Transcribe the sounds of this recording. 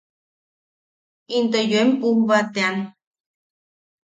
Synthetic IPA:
int̪əjoempumbat̪ean

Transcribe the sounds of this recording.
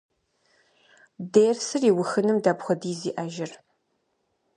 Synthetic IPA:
deːrsɨriːwʊxɨnɨmdaːbxʷɔdiːziːʔaːʒɪr

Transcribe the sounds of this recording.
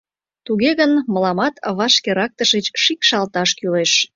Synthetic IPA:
t̪uɣeɣənməlɑmɑt̪βɑʃkeɾɑk̚t̪əʃet͡ɕʃikʃɑlt̪ɑʃkyleʃ

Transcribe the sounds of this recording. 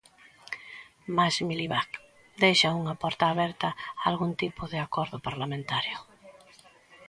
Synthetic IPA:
masmiliβak | d̪ejʃɐuŋɐpɔɾt̪aːβɛɾt̪ɐalɣunt̪ipʊðɪakɔɾðʊpaɾlamẽnt̪aɾjʊ

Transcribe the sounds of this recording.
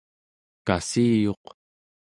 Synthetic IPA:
kasiːjo̞q

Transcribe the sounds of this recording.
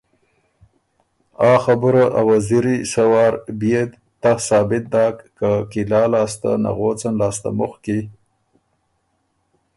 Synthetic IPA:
ɑːxabuɾaʔawaziɾisawɑːɾbijed̪ | t̪asɑːbɪt̪̚d̪ɑːkːakilɑːlɑːst̪a̰na̰ɣoːt͡sanlɑːst̪a̰mʊxki

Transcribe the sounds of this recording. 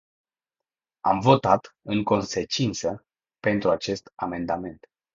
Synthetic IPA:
a̰mvo̞t̪at̪ɨŋko̞nse̞t͡ʃint̪sə | pe̞nt̪ɾuat͡ʃe̞st̪ame̞nd̪ame̞nt̪

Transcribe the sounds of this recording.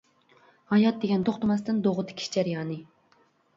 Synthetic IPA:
hɑjɑt̪̚d̪eɡʲɛnt̪ʰoχt̪ɨmɛst̪ɪnd̪oʁʊt̪ʰɨ̥kʲʰi̥d͡ʒɛɾijɑːnɨ

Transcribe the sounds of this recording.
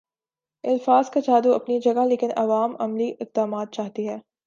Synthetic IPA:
ɪlfaːzkat͡ʃaːd̪uɐ̰pnid͡ʒɐɡaleːkɪnɐ̰ʋaːmɐmliʔɪqd̪aːmaːt̪̚t͡ʃaːɦt̪iɦɛː

